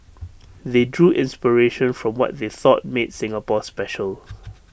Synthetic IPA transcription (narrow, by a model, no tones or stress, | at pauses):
ðedɹuːʔɪ̃nspəɹeʃə̃nfɹɔ̃mwɔ̰t̚ðeθɔt̚metsɪ̃ŋəpɔspɛʃəl